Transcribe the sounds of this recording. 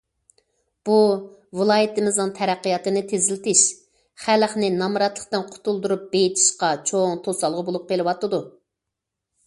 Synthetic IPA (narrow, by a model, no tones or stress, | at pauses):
b̥uvɨlˠɑːjɪt̪ɨmɨznɨŋt̪ʰɛɾæqːijɑt̪ɨnɪt̪ʰezɪlɪt̪ɪʃ | χælχnɪnɑmɾɑt̪lˠə̥χt̪ɨnqʰʊ̥t̪ulˠd̪uɾup̚bejit̪ʰɪ̥ʃqɑt͡ʃʰoŋt̪ʰosɑlˠʁəbolˠup̚qelˠɨwɑt̪ːɨd̪u